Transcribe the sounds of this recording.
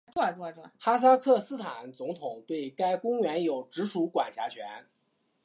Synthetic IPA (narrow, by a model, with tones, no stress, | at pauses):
t͡sɔ˥˩t͡swɔ˥˧ʈ͡ʂwxa˥s̬a˥kʰɤ˥˩sɹ̩˥t̪ʰa˨˩˦nt͡sʊ˧˥ŋt̪ʰʊ˨˩˦ŋt̪we˥˩ɪka˥ɪkʊ˥ŋɥɛ˧˥njo˨˩ʊʈ͡ʂɻ̩˧˥ʂʰu˧˥kwa̰˨˩nɕʰja̰˧˥t͡ɕʰɥɛ̰˧˥n